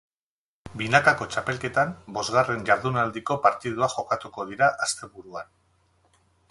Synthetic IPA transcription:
binakako̞t͡ʃape̞lke̞t̪ambo̞zɣare̞nʝaɾðunald̪iko̞paɾt̪iðuaxo̞kat̪uko̞ðiɾaʔast̪e̞βuɾuan

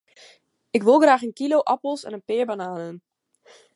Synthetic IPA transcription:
ɪkʋɪlˠɣraːχənkilowʔɑpəlˠsɛ̰nənpɪːɹbanaːnən

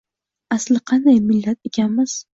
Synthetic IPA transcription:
aslɪqʰɑnd̪ajmɪlːat̪ekʲʰanmɪz̥

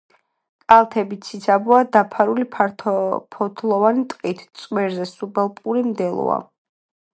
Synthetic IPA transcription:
kʼalˠt̪ʰɛbit̪sʰisʰabuad̪apʰaɾulipʰpʰɔt̪ʰlˠɔvanit̪ʼqʼit̪ʰt̪sʼwɛɾzɛsubɛlˠpʼuɾimd̪ɛlˠɔ̰a̰

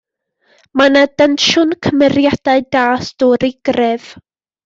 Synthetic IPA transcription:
manadanʃʊnkʰəmɛrjad̥aɨdaːsd̥ɔɾɪɡ̥rɛv̥

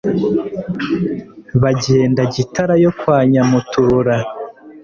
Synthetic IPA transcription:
βaɟe̞ːndaɟitaɾajo̞kwaːɲamutuːɾa

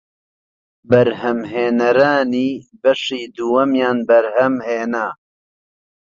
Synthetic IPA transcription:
bɐɾɦɐmɦeːnɐɾaːniːbɐʃiːd̪uːwɐmjaːnbɐɾhɐmheːnaː

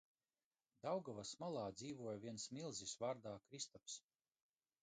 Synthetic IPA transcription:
d̪awɡavasmalˠaːd̪ziːvuɔjviɛnsmilˠzisvaːɾd̪aːkɾist̪aps

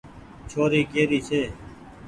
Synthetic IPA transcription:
t͡ʃʰoːɾiːkeːɾiːt͡ʃʰeː

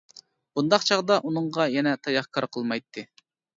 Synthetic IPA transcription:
b̥und̪ɑqt͡ʃʰɑʁd̪ɑʔunɨŋʁɑjɛnɛt̪ʰɑjɑχkʰɑɾqʰəlˠmɑjt̪ʰːɨ

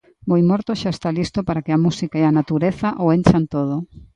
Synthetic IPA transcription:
bojmɔɾt̪oʃaest̪alist̪opaɾakeamusikaeanat̪uɾeθaʔoent͡ʃant̪oð̞o

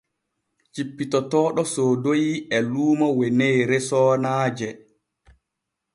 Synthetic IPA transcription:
t͡ʃipːitɔtɔːɗɔsoːdojiɛluːmɔwɛnejɾɛsɔːnaːd͡ʒɛ

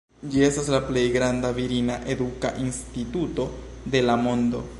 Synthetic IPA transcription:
d͡ʒie̞staslaple̞jɡɾandaviɾinaʔe̞duka̰ʔinstituto̞ | de̞lamo̞ndo̞

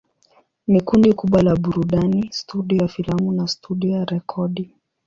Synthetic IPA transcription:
mikundikuɓwalaɓuɾuɗanistuɗiɔjafilamunastuɗiɔjaɾɛkʰɔɗi

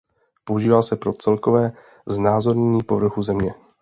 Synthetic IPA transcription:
po̞uʒiːvaːsɛpɾo̞t͡sɛlko̞vɛː | znaːzo̞ɾɲɛɲiːpo̞vr̩xuzɛmɲɛ

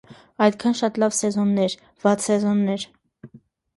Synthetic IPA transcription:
ɑjt̪kʰɑnʃɑt̪lɑvsɛzɔnːɛɾ | v̥ɑt͡sʰsɛzɔnːɛɾ

